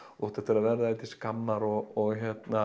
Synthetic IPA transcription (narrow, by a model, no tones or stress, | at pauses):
ɔht̪ɛht̪ɪɾavɛɾðaɛt̪ɪskamːaɾɔɔɣçɛt̪na